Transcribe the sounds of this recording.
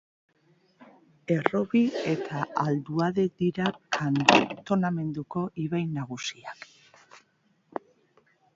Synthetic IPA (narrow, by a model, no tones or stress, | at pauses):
e̞ro̞βie̞t̪ʰaald̪uaðe̞d̪iɾakʰant̪o̞name̞nd̪uko̞ʔiβajnaɣ̞usiak